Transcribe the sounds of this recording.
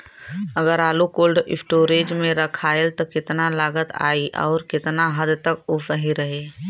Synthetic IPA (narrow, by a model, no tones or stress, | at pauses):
əɡəɾaːlukoːlɖɪ̰pʈoːɾeːd͡ʒmẽɾəkʰaːelt̪ɔkɪt̪nalaːɡət̪a̰ːiʔɔ̰ːɾkɪt̪naɦəd̪t̪əkʊsəɦiɾəɦe